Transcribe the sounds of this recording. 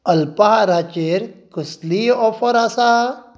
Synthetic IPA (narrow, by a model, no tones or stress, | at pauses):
əlpaɦaɾat͡ʃeɾkusliɔfɔɾasa